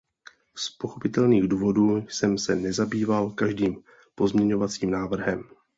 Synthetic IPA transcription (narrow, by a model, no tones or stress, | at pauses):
spo̞xo̞pɪt̪ɛlniːɣduːvo̞duːsɛmsɛnɛzabiːvalkaʒdiːm | po̞zmɲɛɲo̞vat͡siːmnaːvr̩ɦɛm